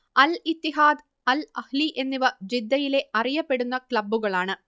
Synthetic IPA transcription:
ɐlɪt̪ːiɦaːd̪ | ɐlɐhliʔenːuʋɐd͡ʑid̪ːɐjileɐrɪjɐpːeɽunːɐkɭɐbːɯɣɐɭaːɳɨ

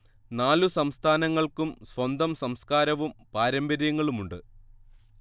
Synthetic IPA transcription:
naːlusɐmst̪ʰaːnɐŋːɐɭkumsʋɐnd̪ʱɐmsɐmskaːɾɐʋumpaːɾɐmbɐɾjɐŋːɐɭumuɳɖɨ

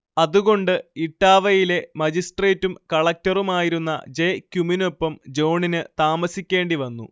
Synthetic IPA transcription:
ɐðuɣo̞ɳɖɨiʈːaːʋɐjile̞mɐd͡ʑisʈre̞ːtːumkɐɭɐk̚tɐrumaːjiɾunːɐ̰d͡ʑe̞kʲjuminopːɐmd͡ʑo̞wɳinɨt̪aːmɐsikʲːe̞ːɳɖiʋɐnːṵ

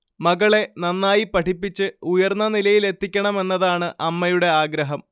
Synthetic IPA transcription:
mɐɣɐɭe̞nɐnːaːjipɐʈʰipːit͡ɕːɨujɐrnːɐnilɐjile̞t̪ːikʲːɐɳɐme̞nːɐðaːɳɨʔɐmːɐjuɽe̞aːɡɾɐɦɐm

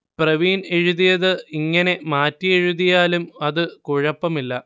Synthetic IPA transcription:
prɐʋiːneɻuðijɐðɨiŋːɐne̞maːtːijeɻuðijaːlumɐðɨkuɻɐpːɐmilːɐ

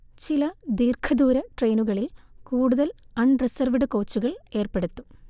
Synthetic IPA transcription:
t͡ɕilɐd̪iːrkʰɐd̪uːɾɐʈreːnuɣɐɭilkuːɽuðɐlɐɳresɐrʋiɽɨko̞ːt͡ɕːuɣɐɭe̞ːrpe̞ɽut̪ːu̥

